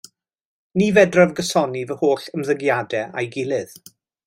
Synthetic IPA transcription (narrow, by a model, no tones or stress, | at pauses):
niːvɛdravɡəsɔnivəhoːɬəmðəɡjadɛa̰jɡɪlˠɪð